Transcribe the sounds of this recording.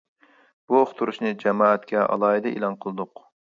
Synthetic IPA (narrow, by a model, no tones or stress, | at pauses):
b̥uoχt̪ʰuɾuʃnɨd͡ʒɛmɑːɛt̪kʲʰɛɑ̰lˠɑːɦid̪ɨʔḭlˠɑnqʰəlˠɨd̪ʊq